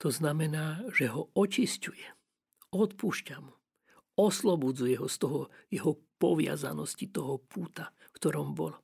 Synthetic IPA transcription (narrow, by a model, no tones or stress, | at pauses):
t̪ɔznamɛnaːʒ̥ɛɦɔɔt͡ʃiscujɛ | ɔt̪puʃcamu | ɔslɔbud͡zujɛɦɔst̪ɔɦɔjɛɦɔ | pɔʋɪa̰za̰nɔscit̪ɔɦɔpʰuːt̪afkt̪ɔɾɔmbɔ̰lɔ